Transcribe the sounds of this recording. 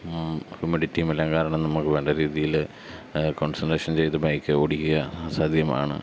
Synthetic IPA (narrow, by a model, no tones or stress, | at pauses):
humiɽitːiːmɐlːaŋkaːɾɐɳɐmnɐmukːɨʋe̞ːɳɖeɾiːðijil | koːɳsɐnɖeːʂɐnt͡ɕe̞jt̪ːɨbʱɐjkːɨoɽikʲːiɣɐːsaːd̪ʱjɐma̰ːɳɨ̰